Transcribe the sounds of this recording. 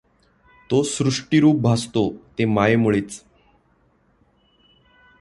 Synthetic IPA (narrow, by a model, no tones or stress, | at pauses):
t̪osɾuʂʈiɾuːp̚bʱast̪ot̪emaemuɭeːt͡s